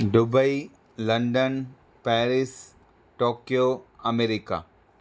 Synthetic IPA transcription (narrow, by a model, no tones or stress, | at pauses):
ɖʊbəi | lɐ̃ɳɖən | pɛːɾɪs | ʈoːkjoɐmeɾɪka̰ː